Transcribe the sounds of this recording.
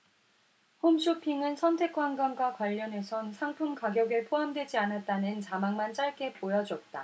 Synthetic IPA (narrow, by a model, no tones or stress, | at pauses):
homɕʰopʰiŋɯnsʰʌntʰe̞k͈wanɡwanɡwakwaʎːʌne̞sʰʌnsʰaŋpʰumkaɡjʌɡɯɭpʰoɦamdwe̞d͡ʑianat̚t͈anɯnt͡ɕamaŋmant͡ɕ͈aɭk͈e̞pojʌd͡ʑʌt̚t͈a